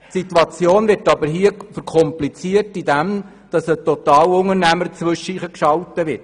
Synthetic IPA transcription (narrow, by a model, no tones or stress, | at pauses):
tsitwɑt͡sjoːnvɪɾtɑbəɾɦiəfəɾkʰɔmplit͡siətidɛm | d̥ɑsətɔt̪ɑːlʊŋəɾnæməɾt͡sʋɵʃəiːχəkʃɑltəʋɪɾt